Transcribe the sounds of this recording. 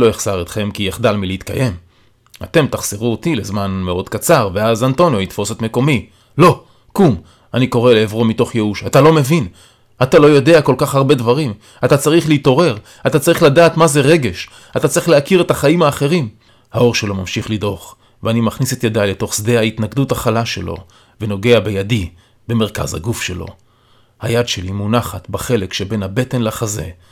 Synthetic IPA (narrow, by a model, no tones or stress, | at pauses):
lo̞eχz̥aʁet̪χe̞mkieχd̪almileit̪ka̰je̞m | a̰t̪e̞mt̪aχz̥eʁuot̪ile̞zmanmeo̞d̪kat͡saʁveazanto̞njo̞it̪fo̞set̪me̞ko̞mi | lo̞ | kum | aniko̞ʁe̞leːvʁo̞mito̞χjeuʃat̪alo̞me̞vin | atalo̞jo̞de̞ako̞lkaχhaʁbe̞d̪vaʁim | at̪at͡saʁiχleit̪o̞ʁe̞ʁ | atat͡saʁiχladaːt̪maze̞ʁeɡe̞ʃ | atat͡saʁiχleakiʁe̞taχaimhaːχe̞ʁim | hao̞ʁʃe̞lo̞mamʃiχlid̪ʁo̞χ | veanimaχniset̪jadajle̞to̞χsd̪e̞hait̪naɡd̪uthaχalaʃe̞̰lo̞̰ | ve̞no̞ɡe̞abe̞jadi | be̞me̞ʁka̰zha̰ɡufʃe̞lo̞̰ | hajadʃe̞limunaχat̪baχe̞lekʃebe̞nhabe̞te̞nlaχaze̞̰